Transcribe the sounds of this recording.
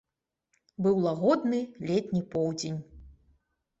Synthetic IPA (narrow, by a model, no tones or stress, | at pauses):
bɨwlˠaɣɔd̪nɨlʲɛt̪ʲnʲipɔwd͡zʲenʲ